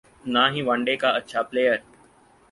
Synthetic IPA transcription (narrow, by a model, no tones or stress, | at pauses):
naːɦĩːʋãːɳɖekaətːʃʰaːpleːjəɾ